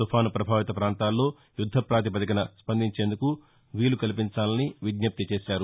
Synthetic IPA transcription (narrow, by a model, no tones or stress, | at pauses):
upʰaːnɐpɾɐbʱaːʋit̪ɐpɾaːnt̪aːlːo̞ː | jud̪ʱːɐpɾaːt̪̬ipɐt̪ɐkɐnɐspɐnd̪ʱiɲt͡ʃeːnd̪uku | ʋiːlukɐlipiɲt͡ʃaːlɐniʋiɡ̪nɐp̚t̪it͡ʃe̞ːʃaːɾu